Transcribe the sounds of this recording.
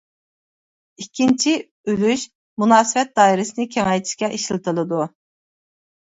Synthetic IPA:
ikʲʰːint͡ʃʰi | ylyʃ | munɑːsɨvɛt̪̚d̪ɑːiɾɪsɨnɨkʲʰeŋɛjt̪ʰi̥ʃkʲɛʔiʃlˠɨt̪ʰɨlˠɨd̪u

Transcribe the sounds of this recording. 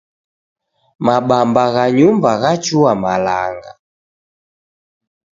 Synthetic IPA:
maɓambaɣaɲumbaɣat͡ʃuamala̰ŋɡa̰

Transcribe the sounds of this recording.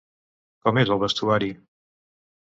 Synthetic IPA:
kɔmezəlˠβəst̪uaɾi

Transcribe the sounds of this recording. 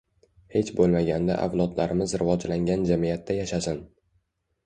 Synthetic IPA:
he̞t͡ʃbolˠmaɡʲand̪a̰ʔa̰vlˠɒd̪laɾɪmɪzɾɪvɒd͡ʒlaŋɡʲand͡ʒamijat̪ːajaʃasɪn

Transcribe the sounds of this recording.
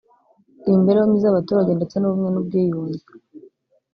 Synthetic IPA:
imbe̞ɾejomizaβatuːɾaɟe̞ndet͡senuβumɲe̞nub̚ɡiːjuːɲɟe

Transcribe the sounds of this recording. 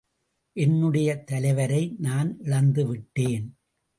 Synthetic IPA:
ʔɛnːɯɽɐjɐt̪ɐlɐɪʋɐɾɐɪnaːnʔɪɻɐnd̪ɯʋɪʈːeːn

